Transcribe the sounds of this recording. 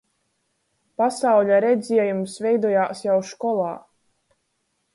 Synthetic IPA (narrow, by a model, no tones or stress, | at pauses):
pasawʎʲaɾɛd̪zʲiɛjumsvʲɛjd̪uɔjaːsjawʃkɔlˠɑː